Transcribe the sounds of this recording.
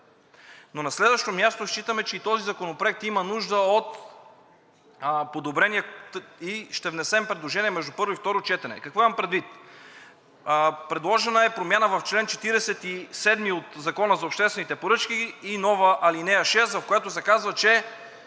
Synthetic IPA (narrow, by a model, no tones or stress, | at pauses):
nonɐslɛd̪vəʃt̪omʲjast̪oʃt͡ʃit̪əmɛt͡ʃɛit̪ɔzizɐkonopɾoɛk̚t̪imənuʒd̪əot̪ | pod̪obɾɛniɛiʃt̪ɛvnɛsɛmpɾɛd̪lˠoʒɛniɛmɛʒd̪upɤɾvoift̪ɔɾot͡ʃɛt̪ɛnɛ̰kɐkvɔimɐmpɾɛd̪vit̪ | pɾɛd̪lˠɔʒɛnəɛpɾomʲjanəvɐft͡ʃlɛnt͡ʃɛt̪iɾɛsɛt̪isɛd̪miot̪zɐkɔnəzɐopʃt̪ɛst̪vɛnit̪ɛpoɾɤt͡ʃk̟iːnɔvəʔɐlinɛjəʃɛst̪vɐfkojɛt̪osɛkazvət͡ʃɛ